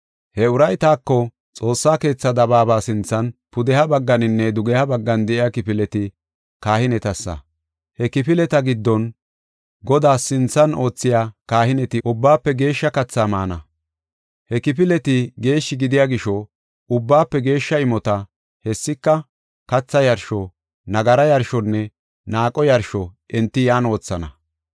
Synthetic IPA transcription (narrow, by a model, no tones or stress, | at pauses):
hɛʊɾɐjt̪aːkːɔ | t͡sʼo̞ːsːaːke̞ːt͡sːɐd̪ɐbaːbaːsɪnt͡sːɐnpʊd̪ɛhɐbɐɡːɐnɪnːɛd̪ʊɡɛhɐbɐɡːɐnd̪ɛʔɪjakɪpɪlɛt̪ɪ | kaːhɪnɛt̪ɐsːɐ̰ | hɛkɪpɪlɛt̪ɐɡɪd̪ːɔn | ɡɔd̪aːsɪnt͡sːɐno̞ːt͡sːɪjaːkaːhɪnɛt̪ɪʊbːaːpːɛɡe̞ːʃːɐkɐt͡sːaːmaːnɐ | hɛkɪp̬ɪlɛt̪ɪɡe̞ːʃːɪɡɪd̪ɪjaːɡɪʃɔ | ʊbːaːpːɛɡe̞ːʃːɐɪmɔt̪ɐ | hɛsːɪkːɐ | kɐt͡sːɐjɐɾʃɔ | nɐɡɐɾɐjɐɾʃɔnːɛ | naːkʼɔjɐɾʃɔʔɛnt̪ːɪjaːno̞ːt͡sːɐnɐ